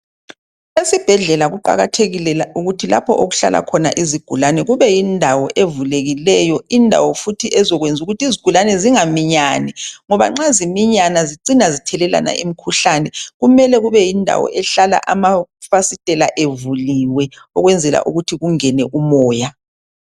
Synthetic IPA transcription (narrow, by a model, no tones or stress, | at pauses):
lesib̥ʱɛɮɛlaɣuǃa̰ɣatʰeɣilɛlaʔuɣutʰila̰pʰɔ̰ʔoɣuɬa̰lʔa̰kʰɔna̰ʔiziɡ̥ʱulanɛɣuβɛjindʱawɔʔevuleɣilɛjɔindʱa̰wɔfutʰiʔɛzɔɣwend͡zʱuɣutʰiziɡ̥ʱulanɛziŋamiɲanɛŋɔβa̰ŋ͡ǁazimiɲanaziǀinazitʰɛlɛla̰na̰ʔimikʰuɬanɛɣumɛlɛɣuβɛjindʱa̰wɔ̰ʔɛɬala̰ʔamafasitʼɛlaʔevuliwɛ | ɔɣwɛnd͡zʱɛla̰ʔuɣutʰiɣuŋɛnɛʔumɔːja